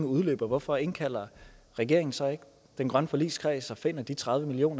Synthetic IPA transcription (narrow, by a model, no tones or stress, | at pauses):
ŋəuð̞ˠlø̰ːb̥ɐʋɒfɒ̽e̝nkʰæl̰ɐʁɛɡ̥e̝ɐ̰e̝ŋn̩sɑeɡ̥ | d̥enɡ̥ʁɶnəfɒ̽lḭːskʰʁɛ̰ːsɒ̽fe̝n̰ɐd̥it͡sʰʁað̞ˠʋəmilio̝̰ːnɐ